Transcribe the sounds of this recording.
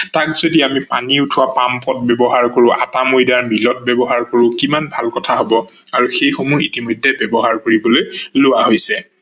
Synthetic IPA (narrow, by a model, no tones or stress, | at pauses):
takzodiamipa̰niʊtʰʊwapampɔt̚bɛbɔɦaɹkoɹʊʔa̰tamojdaɹmilɔt̚bɛbɔɦaɹkoɹʊkimanbʱalkɔtʰaɦobɔ | aɹuxejxomuɹitimojdʱɛbɛbɔɦaɹkoɹibɔlojlʊwaɦojsɛ